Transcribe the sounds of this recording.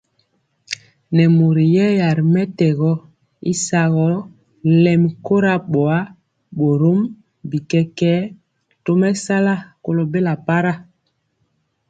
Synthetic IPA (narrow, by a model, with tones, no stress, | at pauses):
nɛ˨mo˨ɾi˨jɛ˦ja˨ɾi˨mɛ˦tɛ˨ɣɔ˦ | ḭ˦sa˨ɣɔ˦ | lɛ˨m˨ko˦ɾa˦ɓɔ˨a˦ | ɓo˨ɾo˦m | bi˨kɛ˦kɛ˦ | to˦mɛ˦sa˦la˦ko˨lo˨be˦la˨pa˦ɾa˦˨